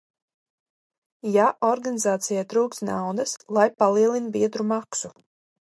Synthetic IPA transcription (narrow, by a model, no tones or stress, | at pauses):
jaʔɔɾɡanizaːt̪sijajt̪ɾuːkst̪na̰wd̪ɐslˠajpalˠiɛlˠinbiɛd̪ɾumaksu